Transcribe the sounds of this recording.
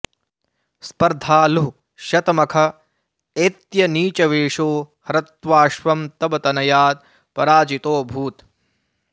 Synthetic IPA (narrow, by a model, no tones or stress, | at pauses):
spɐɾd̪ʱaːlu | ʃɐt̪ɐmɐkʰɐ | eːt̪jɐniːt͡ʃɐʋeːʂoːhɐɾɐt̪ʋaːʃʋɐmt̪ɐbɐt̪ɐnɐjaːd̪̚ | pɐɾaːd͡ʒit̪oːbʱuːt̪